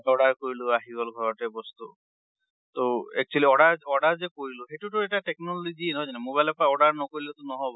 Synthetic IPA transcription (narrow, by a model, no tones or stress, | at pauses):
ɔɽaɾkoɾiluaɦiɡɔlɡʱɔɾɔʈebɔst̪u | t̪oɛk̚t͡ʃualiɔɽaɾɔɽaɾd͡ʒekoɾiluɦeʈuʈuɛʈaʈeknɔlod͡ʒinɔd͡ʒanemobajlɔpaɔɽaɾnɔkoɾilot̪ɔnɔɦɔb